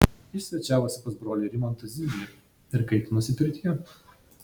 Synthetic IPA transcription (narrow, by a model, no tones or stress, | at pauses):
jɪsʲʋʲɛt͡ʃʲæːʋoːsʲɪpɐsbɾoːlʲeɾʲɪmont̪ɐzʲiːɡʲlʲɪ | ɪɾkɐɪt̪ʲnʊsʲɪpʲɪɾʲt̪ʲiɛ